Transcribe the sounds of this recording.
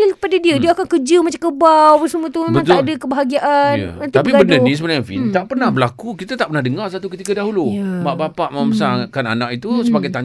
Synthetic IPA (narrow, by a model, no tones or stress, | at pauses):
ikəpadadiədiəakaŋkəd͡ʒəmat͡ʃamkəbawpansəmũət̪umembəãŋt̪aʔdəkəbəɦaɡiaʔanjə̰ənt̪appibbənənĩsəbənajaŋfḭnt̪aʔpərnahbəlakukit̪at̪aʔpərnahdəŋarsat̪ukət̪ikadaɦulumaʔbapaʔməmbəsakana̰nakit̪usəbaɡajt̪aɲ